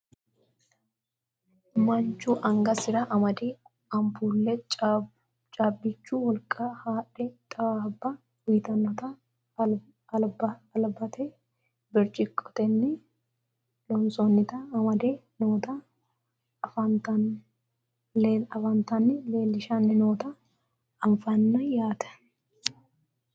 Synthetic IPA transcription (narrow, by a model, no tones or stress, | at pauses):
mɐnt͡ʃːʊʔɐŋɡɐsɪɾɐʔɐmɐd̪ɛ | ɐmpuːlːɛ | t͡ʃʼaːbːɪt͡ʃːʊwɔlkʼːɐhaːʔːɛt̪ʼɐbːɐ | wʊjt̪ɐnːɐt̪ɐ | lbɐɐlbɐt̪ʰɛ | bɪɾt͡ʃʼɪkʼːɔ̥t̪ɛnːɪ | lɔnsɔnːɪt̪ɐɐmɐd̪e | noːt̪ɐ | fɐnt̪ɐ | ɐfɐnt̪ɐnːɪle̞ːlːɪʃɐnːɪnoːt̪ɐː | ɱfɐnːɐjaːt̪ɛ̥